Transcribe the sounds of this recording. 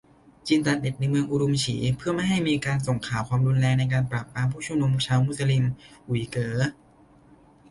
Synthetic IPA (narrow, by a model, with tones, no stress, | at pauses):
t͡ɕiː˧nt̪a˨˩t̪̚de˨˩t̪̚na˧jmɯ˧əŋʔu˧ɾo˧mt͡ɕʰḭː˩˦pʰɯ˥˩ɐma˥˩jɦa˥˩jmiː˧kaː˧nso˨˩ŋkʰaː˩˦wkʰwaː˧mduː˧nlɛː˧ŋna˧jk̬aː˧npɾa˨˩p̚ːaː˧mpʰuː˥˩t͡ɕʰu˥˩˨nu˧mt͡ɕʰaː˧wmu˧˥˩sa˧li˧mʔu˨˩˦kɤː˩˦